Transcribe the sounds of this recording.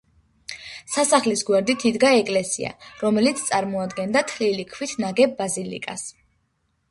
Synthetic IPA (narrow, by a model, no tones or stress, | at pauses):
sasaχlisɡwɛɾd̪it̪ʰid̪ɡaɛkʼlɛsḭa̰ɾɔmɛlit̪sʰt̪sʼaɾmɔad̪ɡɛnd̪at̪ʰlilikʰwit̪ʰnaɡɛbːazilḭkʼas